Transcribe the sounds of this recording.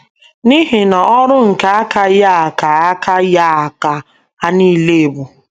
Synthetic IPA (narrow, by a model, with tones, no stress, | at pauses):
ni˦ɦe˨na˨ɔ˦ɾʊ˦ŋ̩˨ka˦a˦ka˦ja˦a˨ka˨a˦kʰa˦ja˦a˨ka˨ | a˦ni˦le˦e˨bu˨